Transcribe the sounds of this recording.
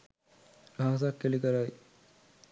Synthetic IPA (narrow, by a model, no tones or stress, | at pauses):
aːs̬akːelikəɾaj